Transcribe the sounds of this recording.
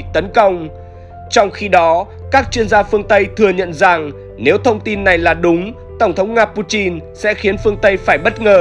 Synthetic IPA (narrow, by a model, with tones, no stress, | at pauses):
t̪ə˨˦nkə˧wŋ͡m | t͡ɕɔ˧wŋ͡mxi˧ɗɔ˨˦ | kaː˦˥k̚t͡ɕwi˧ənzaː˧fɨ˧əŋt̪ə˧jt̪ʰɨ˨˩əɲə̰˧˨nza˨˩ŋ | ne˨˦wt̪ʰə˧wŋ͡mt̪i˧nːa˨˩jlaː˨˩ɗʊ˨˦ŋ͡m | t̪ə˧˩wŋ͡mt̪ʰə˨˦wŋ͡mŋaː˧pu˧t͡ɕi˧nsɛ̰˧˥xi˨˦ənfɨ˧əŋt̪ə˧jfaː˧˩jɓə˦˥t̚ŋəː˨˩